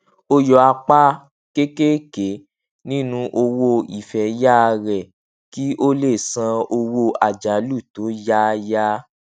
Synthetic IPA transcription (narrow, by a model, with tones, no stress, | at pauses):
o˧jɔ˧a˧k͡pa˦ | ke˦ke˦ke˨˦ | nĩ˦nũ˧ʔo˧wo˧i˨fɛ˨ja˦˧ɾɛ˨ | ki˦ʔo˦le˦˨sã˧o˧wo˧a˨d͡ʒa˨˦lu˦˨to˨˦ja˦˧ja˦